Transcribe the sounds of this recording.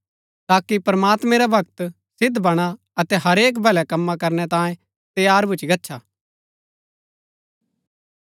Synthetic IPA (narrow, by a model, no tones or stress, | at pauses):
t̪aːkipɾɐmaːt̪mɛ̃ɾabʱɐɡt̪ | sɪd̪bɐɽ̃a | ɐt̪ɛɦɐɾeːk̬bʱɛlɛkɐmːakɐɾnɛt̪ãːẽ | t̪jaːɾbʊt͡ʃiɡɐtːʃʰa